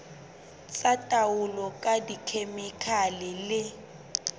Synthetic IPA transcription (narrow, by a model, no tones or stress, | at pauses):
t͡sʼatʼaʊlɔkʼadikʰemɛkʰalɪlɪ